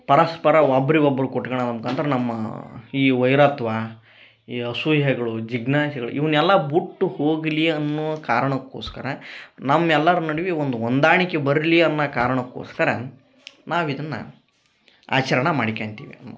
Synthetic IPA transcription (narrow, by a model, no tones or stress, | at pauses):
pɐɾɐspɐɾɐʋɐbɾiʋɐbɐɾukoʈːɐɡɐɳaːd̪ɐmkɐːnt̪ɐɾenɐmːɐ̰iːʋɐjɾɐt̪ʋɐ | iɐsuɦɛɡɐɭud͡ʒiɡnaːʃɐɡɐɭṵʔiʋɐnɛlːɐbuʈːuhoːɡliɐnːuʋɐkaːɾɐɳɐkːoːskɐɾenɐmːɛlːɐɾunɐɽiʋiond̪uʋond̪aːɳikebɐɾliɐnːɐkaːɾɐɳɐkːo̰ːskɐɾḛ | naːʋid̪ɐnːɐ̰ | a̰ːt͡ʃɐɾɐɳɐmaːɽikeːɳt̪ḭːʋḭɐnːṵ